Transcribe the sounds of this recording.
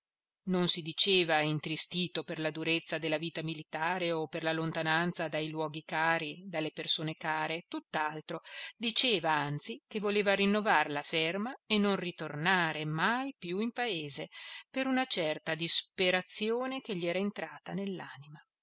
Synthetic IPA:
nonsid̪it͡ʃeːvaint̪ɾist̪iːt̪operlad̪uɾet̪sːad̪elːaviːt̪amilit̪aːɾeoperlalont̪anant̪sad̪ajlwɔːɡikaːɾid̪alːepersoːnekaːɾet̪ut̪ːalt̪ɾod̪it͡ʃeːvaant̪sikevoleːvaɾinːovarlafermaenonrit̪ornaːɾemajpjuimpaeːzepeɾunat͡ʃɛrt̪ad̪ispeɾat̪sjoːnekeʎːiɛːɾaent̪ɾaːt̪anelːa̰ːnima

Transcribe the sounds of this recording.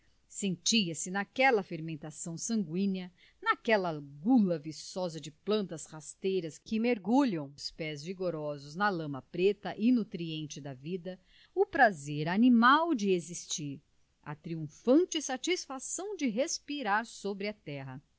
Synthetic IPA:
sẽnt͡ʃiɐsɪnakɛlɐfeɾmẽnt̪asɐ̃w̃sɐ̃ŋɡwĩnɐ | nakɛlɐɡulɐvisɔzɐd͡ʒɪplɐ̃nt̪ɐshast̪ejɾɐskɪmeɾɡuʎɐ̃w̃ʊspɛzviɡoɾɔzʊznɐlɐ̃mɐpɾet̪ɐʔinut̪ɾiẽnt͡ʃɪd̪ɐvid̪ɐ | ʊpɾazeɾanimawd͡ʒɪezist͡ʃiɾ | ɐ̰t̪ɾiũfɐ̃nt͡ʃɪsat͡ʃisfasɐ̃w̃d͡ʒɪɦespiɾaɾsobɾɪɐt̪ɛɦɐ

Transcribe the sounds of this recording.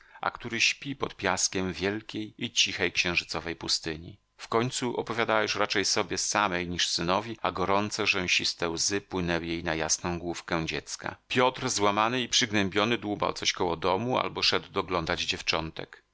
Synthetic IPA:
ʔa̰kt̪uɾɘɕpʲipɔt̪pʲjaskʲɛmvʲjɛlkʲejit͡ɕixɛjkɕɛ̃ʐɘt̪sɔvɛjpust̪ɘɲḭ | fkɔɲt̪suʔɔ̰pɔvʲjad̪awɛʂɾat͡ʂɛjsɔbʲjɛsamɛjɲiʂsɘnɔvʲiaɡɔɾɔnt̪sɛʐɛw̃ɕist̪ɛwzɘpwɘnɛwjejnajasnɔ̃w̃ɡwufkɛw̃d͡ʑɛt̪ska̰pʲjɔt̪ɾzwamanɘipʂɘɡnɛmbʲjɔnɘd̪wuba̰wt̪sɔɕkɔwɔd̪ɔmua̰lbɔʂɛd̪wd̪ɔɡlɔnd̪ad͡ʑd͡ʑɛft͡ʂɔnt̪ɛ̰k

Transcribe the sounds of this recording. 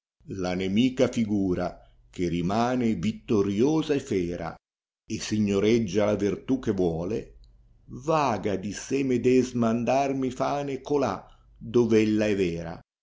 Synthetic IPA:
lanemiːkafiɡuːɾa | k̟erimaːnɪvit̪ːoɾjoːzaɛfɛːɾa̰ | ɪsiɲːoɾɛd͡ʒːalavirt̪ukːevwɔːle | vaːɡad̪isemed̪ɛzmand̪armifaːnɪkola̰ | d̪ɔvɛlːaɛvɛːɾa̰

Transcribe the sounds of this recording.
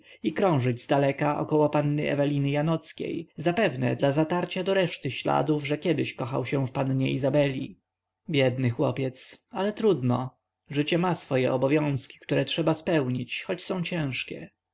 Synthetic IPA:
ikɾɔ̃w̃ʐɘd͡ʑzd̪alɛkaʔɔ̰kɔwɔpanːɘɛ̰vɛlʲinɘjanɔt̪skʲḛjzapɛvnɛ̰d̪lazat̪aɾt͡ɕad̪ɔɾɛʂt̪ɘɕla̰d̪uvʐɛkʲjɛd̪ɪɕkɔxa̰wɕɛ̃fpanɲɛizabɛlʲḭ | bʲjɛd̪nɘxwɔpʲjɛt̪salɛt̪ɾud̪nɔ | ʐɘt͡ɕɛmasfɔjɛʔɔbɔvʲjɔ̃w̃skʲi̥kt̪uɾɛtʂɛbaspɛwɲit͡ɕxɔt͡ɕsɔ̃w̃t͡ɕɛ̃w̃ʂkʲɛ̰

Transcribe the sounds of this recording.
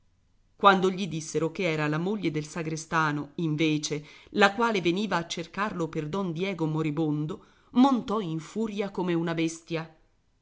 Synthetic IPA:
kwand̪oʎid̪isːeɾokeɛːɾalamoʎːed̪elsaɡɾest̪aːnoiɱveːt͡ʃelakwaːleveniːvaːt͡ʃːerkarloperd̪ɔnd̪jɛːɡomoɾibond̪o | mont̪ɔiɱfuːɾjakomeunabest̪ja

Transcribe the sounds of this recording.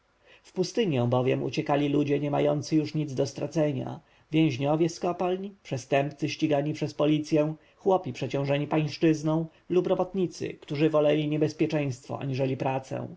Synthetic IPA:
fpust̪ɘɲjɛ̃w̃bɔvʲjɛmṵt͡ɕɛkalʲilud͡ʑɛɲɛma̰jɔnt̪sɘjuʂɲid̪zd̪ɔst̪ɾat̪sɛɲa̰ | vʲjɛ̃w̃ʑɲɔvʲjɛskɔpalɲipʂɛst̪ɛmpt̪sɘɕt͡ɕiɡaɲipʂɛspɔlʲit̪sʲjɛ̃ | xwɔpʲipʂɛt͡ɕɔ̃w̃ʐɛɲipaj̃ʂt͡ʂɘznɔ̃w̃ | lupɾɔbɔt̪ɲit̪sɘ̰kt̪uʐɘvɔlɛlʲiɲɛbɛspʲjɛt͡ʂɛ̃j̃st̪fɔ̰a̰ɲiʐɛlʲipɾat̪sɛ̰̃w̃

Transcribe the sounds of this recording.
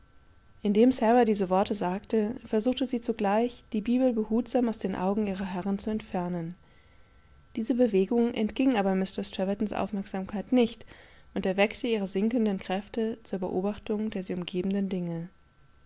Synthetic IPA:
ʔɪndeːmsɛʁadiːzəvɔɐtəzaːktəfɛɐzuːχtəziːt͡suɡlaɪçd̥iːbiːbl̩bəhuːtz̥aːmaʊsd̥eːnʔa̰ʊɡŋ̩iːʁ̞ɐɦɛʁənt͡suɛntfɛɐnən | d̥iːzəbəveːɡʊŋʔɛ̰ntɡ̥ɪŋʔaːbɐmɪstɐstʁ̥ɛvɐtn̩sʔa̰ʊfmɛɐkz̥aːmkʰaɪtnɪçt | ʔʊntɛɐvɛktəʔiːʁəzɪŋkən̩dənkʁ̥ɛftət͡suːɐbəʔoːbaχtʊŋdeːɐziːʊmɡeːbm̩dəndɪŋə

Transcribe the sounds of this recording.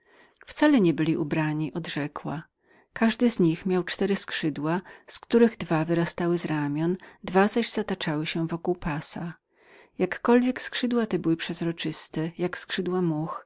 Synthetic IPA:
ft̪salɛɲɛbɘlʲiʔubɾaɲiʔɔd̪ʐɛkwa | kaʐd̪ɘzɲixmʲjawt͡ʂt̪ɛɾɘskʂɘd̪waskt̪uɾɘɣd̪vavɘɾast̪awɘzɾamʲjɔnd̪vazaʑzat̪at͡ʂawɘɕɛvɔkuwpasa | jakːɔlvʲjɛkskʂɘd̪wat̪ɛbɘwɘpʂɛzɾɔt͡ʂɘst̪ɛjakskʂɘd̪wamux

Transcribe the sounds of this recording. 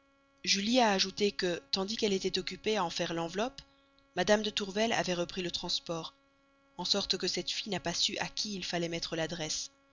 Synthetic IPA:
ʒyliaːʒut̪ekət̪ɑ̃d̪ikɛlet̪ɛt̪ɔkʲypeaɑ̃fɛʁlɑ̃vlɔp | mad̪amd̪ət̪uʁvɛla̰vɛʁəpχilət̪χɑ̃spɔʁ | ɑ̃sɔʁt̪kəsɛt̪finapasyʔakʲʰiːlfalɛmɛt̪χəlad̪ʁɛs

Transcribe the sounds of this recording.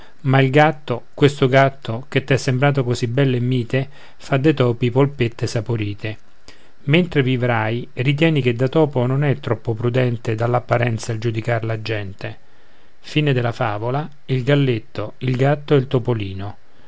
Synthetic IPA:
mailɡat̪ːokwest̪oɡat̪ʰːoket̪ːɛsːembɾaːt̪okozibɛlːɛmːiːt̪e | fad̪ːet̪ɔːpipolpet̪ːesapoɾiːt̪e | ment̪ɾevivɾajrit̪̬jɛːnik̟ed̪ːat̪ɔːpononɛt̪ːɾɔpːopɾud̪ɛnt̪ed̪alːapːaɾɛnt̪saeld͡ʒud̪ikaɾlad͡ʒːɛnt̪e | fiːned̪elafaːvola | ilɡalːet̪ːoilɡat̪ːoɛlt̪opoliːno

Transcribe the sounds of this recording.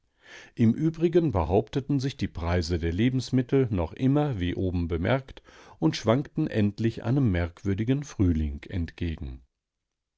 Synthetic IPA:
ʔɪmʔyːbʁɪɡənbəhaʊptətn̩zɪçd̥iːpʁ̥aɪzədeːɐleːbm̩smɪtl̩nɔχʔɪmɐviːʔoːbm̩bəmɛ̰ɐktʔʊntʃv̥aŋktn̩ʔɛntlɪçʔa̰ɪnəmːɛɐkv̥ʏɐdɪɡənfʁ̥yːlɪŋkʰɛ̰ntɡ̥eːɡŋ̩

